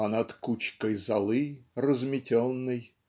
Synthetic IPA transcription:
anɐt̪kut͡ɕkəjzɐlˠɨrəzmʲɪtʲonːɨj

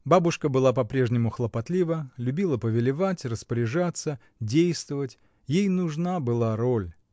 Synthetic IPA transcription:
babʊʂkəbɨlˠapɐpɾʲe̞ʐnʲɪmʊxlˠəpɐt̪lʲivəlʲʊbʲilˠəpəvʲɪlʲɪvatʲrəspəɾʲɪʐat̪sə | dʲejst̪vəvətʲ | jejnʊʐnabɨlˠaɾolʲ

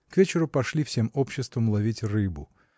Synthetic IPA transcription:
kvʲet͡ɕɪɾʊpɐʂlʲifsʲemo̞pɕːɪst̪vəmlˠɐvʲitʲrɨbʊ

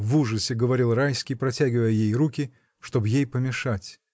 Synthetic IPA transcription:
vuʐəsʲɪɡəvɐɾʲilˠrajskʲɪjpɾɐtʲæɡʲɪvəjəjejrukʲɪ | ʂt̪o̞bjejpəmʲɪʂatʲ

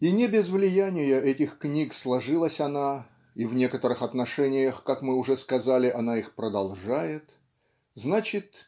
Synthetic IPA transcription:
inʲɪbʲɪzvlʲɪjænʲɪjəʔɛtʲɪxknʲikslˠɐʐɨlˠəsʲɐna | ivnʲe̞kət̪əɾɨxɐt̪nɐʂɛnʲɪjəxkakmɨʊʐɛskɐzalʲɪʔɐnaixpɾəd̪ɐlˠʐajɪt̪ | znat͡ɕɪt̪

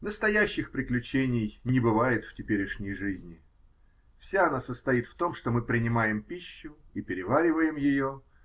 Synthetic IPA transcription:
nəst̪ɐjæɕːɪxpɾʲɪklʲʉt͡ɕenʲɪjnʲɪbɨvajɪt̪ftʲɪpʲeɾʲɪʂnʲɪjʐɨzʲnʲɪ | fsʲaɐnasəst̪ɐit̪ft̪o̞mʂt̪o̞mɨpɾʲɪnʲɪmajɪmpʲiɕːʊipʲɪɾʲɪvaɾʲɪvəjɪmjɪjo

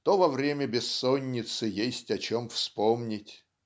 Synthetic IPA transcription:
t̪ovɐvɾʲemʲəbʲɪsːonʲːɪt̪sɨjesʲtʲɐt͡ɕomfspomnʲɪtʲ

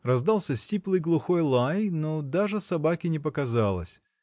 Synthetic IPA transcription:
rɐzd̪alˠsʲəsʲtʲiplˠɨjɡlˠʊxo̞jlˠajnod̪aʐɨsɐbakʲɪnʲɪpəkɐzalˠə̰sʲ

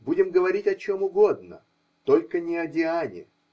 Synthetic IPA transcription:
budʲɪmɡəvɐɾʲitʲɐt͡ɕomʊɡo̞d̪̚nə̰ | t̪o̞lʲkənʲɪɐdʲɪanʲɪ̰

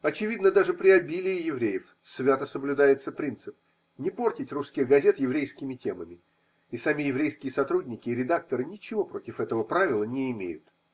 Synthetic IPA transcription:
ɐt͡ɕɪvʲid̪nəd̪aʐɨpɾʲɪɐbʲilʲɪjɪjɪvɾʲejəf | svʲat̪əsəblʲʊd̪ajɪt̪səpɾʲint̪sɨp̚ | nʲɪpo̞rtʲɪtʲrusskʲɪɣɡɐzʲe̞t̪jɪvɾʲejskʲɪmʲɪtʲe̞məmʲɪ | ɪsamʲɪjɪvɾʲejskʲɪjəsɐt̪ɾudʲnʲɪkʲɪːɾʲɪd̪ak̚t̪əɾɨnʲɪt͡ɕɪvo̞pɾo̞tʲɪfɛt̪əvəpɾavʲɪlˠənʲɪːmʲḛjʊ̰t̪

